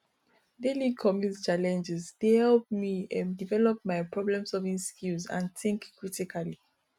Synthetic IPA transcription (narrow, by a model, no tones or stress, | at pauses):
delikʰɔmjust͡ʃalɛ̃nd͡ʒɛsd̥ehɛlp̚miãndivɛlɔp̚majpɹɔblɛ̃msɔvĩnskuzã̰ntĩŋkkːɹitikʰali